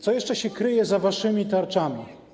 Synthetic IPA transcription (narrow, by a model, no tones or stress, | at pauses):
t̪sɔjɛʂt͡ʂɛɕɛkɾɘjɛzavaʂɘmʲit̪aɾt͡ʂamʲi